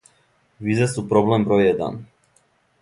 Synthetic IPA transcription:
ʋizesupɾoblembɾojɛd̪a̰n

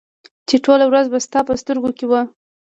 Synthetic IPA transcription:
t͡ʃeʈolawɾazbast̪ɑpəst̪əɾɡokewə

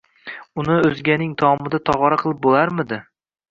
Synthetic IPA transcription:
ʊnɪɵzɡʲanɪŋt̪ʰɒmɪd̪at̪ʰɒʁɒɾaqʰɨlˠɪp̚bolaɾmɪd̪ɪ

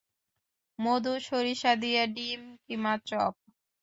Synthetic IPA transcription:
mod̪uʃoɾiʃad̪ijaɖimkimat͡ɕɔp̚

